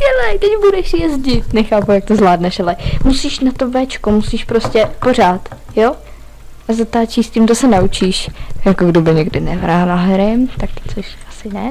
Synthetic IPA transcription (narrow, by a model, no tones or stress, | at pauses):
dɛlajt̪ɛcbudɛʃjɛzɟɪt̪nɛxaːpujak̚t̪ozlaːdnɛʃalɛmusiːʃnat̪ovɛt͡ʃkomusiːʃpɾoscɛpo̞r̝aːt̪ | jo | ʔazat̪aːt͡ʃiːsciːmt̪osɛnaut͡ʃiːʃjakoɡdobɪɲɛɡdɪnɛvɾaːlaɦɾɪmt̪akt̪ɪ̥t͡soʃʔḁsɪnɛ